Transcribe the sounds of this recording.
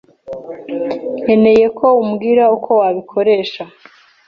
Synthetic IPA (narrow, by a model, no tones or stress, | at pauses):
e̞ne̞je̞kʰo̞umɡiːɾaukʰo̞waβikʰo̞ɾe̞ːʃa